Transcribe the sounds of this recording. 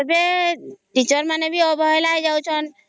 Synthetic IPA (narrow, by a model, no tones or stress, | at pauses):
ɔbeʈit͡ʃɔɾmanebʱiɔbʱɔlaɦɛd͡ʒawt͡ʃʰɔn